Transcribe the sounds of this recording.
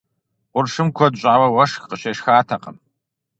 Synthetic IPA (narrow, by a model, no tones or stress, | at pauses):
qʷʊrʂɨmkʷʰɔdɕʼaːwɐwɐʂxqəɕeːʂxaːtʰɐqəm